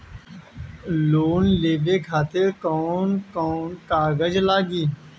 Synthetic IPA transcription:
loːnleːʋeːkʰaːt̪eɾkoːnkoːnkaːɡəd͡ʒlaːɡiː

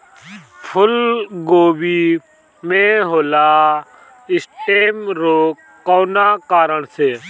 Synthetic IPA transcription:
pʰʊlɡoːbiː | mẽːɦoːlaː | ɪsʈʰeːmɾoː | koːnaːkaːɾəɳseː

